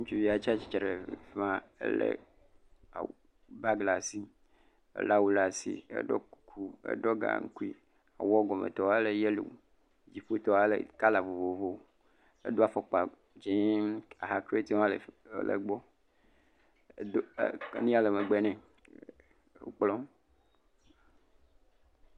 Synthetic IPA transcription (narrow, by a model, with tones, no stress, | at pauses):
ŋũ˦t͡ʃu˦vi˦a˨t͡ʃi˦a˦t͡ʃi̥˦t͡ʃɾe˨fmã˦ḛ˦lḛ˦˨ | a̰˨ | ba˦ɡla˨si˦ | ḛ˦˨la˦wu˦la˨sḭ˨ḛ˦ɖɔ̰˦ku˦kʰu˦ḛ˦ɖɔ˦ɡa̰˨ŋ̩˦ku˦i˦ | a̰˨wɔ˦ɡɔ˨mḛ˨t̪ɔ˨a˦le˨je˦lo̰˨ | d͡ʑi˨ɸu˦t̪ɔ˦a˦lḛ˨ka˦la˨vo˨vo˨vo˨˦ | ḛ˦d̪o˦a˨fɔ˨k͡pa˨ | d͡ʒĩ˦a˨ɦa˨kɾe˦t̪ĩ˦lḛ˨lḛ˨ɡ͡bɔ˦ | do˦˨˦nĩ˦a˨le˨me˨ɡ͡bɛ˦nɛ̃˨ | o̰˦k͡plɔ̃˦